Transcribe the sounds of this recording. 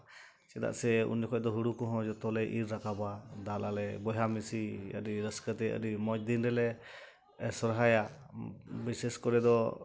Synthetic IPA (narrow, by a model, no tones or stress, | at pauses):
t͡ʃɛd̪a̰ʔsɛṵnːɔkʰɔʔ̚d̪ɔɦuɽukɔɦɔ̃d͡ʒɔt̪ɔlɛʔiɾɾakabad̪alʔalɛbɔɦamisiə̰ɾiɾəskət̪ɛə̰ɾimɔj̚d̪inɾɛlɛ | sɔɾɦaja | bisɛskɔɾɛd̪ɔ